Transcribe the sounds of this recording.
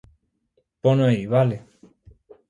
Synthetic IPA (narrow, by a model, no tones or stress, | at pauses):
ponõeiβale